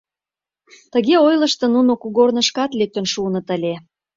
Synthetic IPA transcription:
t̪əɣeojlə̆ʃt̪ɤ̆nunokuɣornəʃkɑt̪lek̚t̪ə̆nʃunɤ̆t̪əlʲe

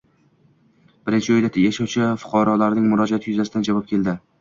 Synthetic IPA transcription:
b̥ɪɾɪnt͡ʃʰɪojd̪at̪ʰjaʃɒt͡ʃʰɪfʊ̥qʰɑɾɒlaɾnɪŋmʊɾɒd͡ʒaat̪ʰɪjʊzasɪd̪and͡ʒavɒp̚kʲʰe̞ld̪ɪ

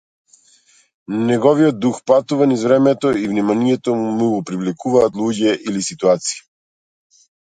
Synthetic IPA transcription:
nɛɡɔviɔd̪̚d̪uxpat̪uvanizvɾɛmɛt̪ɔivnimaniɛt̪ɔmuɡɔpɾivlikuvaːt̪lˠuɟɛʔilisit̪uat̪si̥i

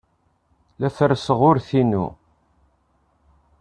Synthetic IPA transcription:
læθəɾsəʁʊɾθinṵ

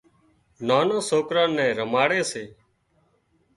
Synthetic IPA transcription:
naːnãːsoːkɾãːnːɛ̃ːɾəmaːɽeːseː

